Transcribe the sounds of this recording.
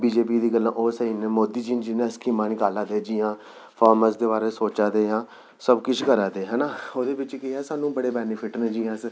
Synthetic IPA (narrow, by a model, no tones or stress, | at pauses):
biːd͡ʒeːp̬iːd̪iːɡəlːã̰ːʔoːsəiːnːmoːd̪iːd͡ʒiːnd͡ʒɪnẽːskiːmãːnɪkaːlaːd̪eːd͡ʒiːãː | pʰaːɾməsd̪eːbaːɾeːsoːt͡ʃaːd̪eːɦãː | səbkɪt͡ʃʰkəɾaːd̪eːɦɛːnaːoːd̪eːbɪt͡ʃkɪɛːsaːnũːbəɽeːbɛːnɪpʰɪʈnẽːd͡ʒiːãːs